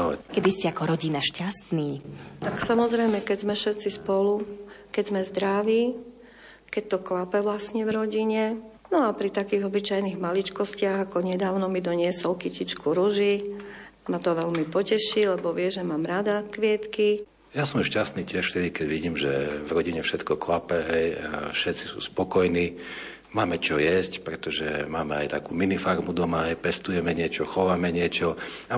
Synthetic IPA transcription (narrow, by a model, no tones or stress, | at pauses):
alɛ̰kɛd̪iscɛakɔɾɔɟinaʃcast̪niːt̪aksamɔzɾɛjmɛkɛɟzmɛfʃɛt̪t͡sispɔlukɛɟzmɛzd̪ɾaʋiː | kɛc̚t̪ɔklapɛʋlasɲɛʋɾɔɟiɲɛ | nɔapɾit̪akiːɣɔbit͡ʃajniɣmalit͡ʃkɔscɪaɣakɔɲɛd̪aːʊnɔmid̪ɔɲɪɛsɔlkicit͡ʃkuɾuʒi | mat̪ɔʋɛlmipɔcɛʃilɛbɔʋɪɛʒɛmaːmɾad̪akʋɪɛt̪ki | jasɔmuʃcast̪niːcɪɛʃft̪ɛd̪ikɛɟʋiɟiːmʒɛ̰vɾɔɟiɲɛfʃɛt̪kɔklapɛɦɛjfʃɛt̪t͡si̥sṵːspɔkɔjniː | maːmɛt͡ʃɔjɛscpɾɛt̪ɔʒɛ̰maːmɛa̰jt̪akuːminifaɾmud̪ɔmaɦɛjpɛst̪ujɛmɛɲɪɛt͡ʃɔxɔʋamɛɲɪɛt͡ʃɔa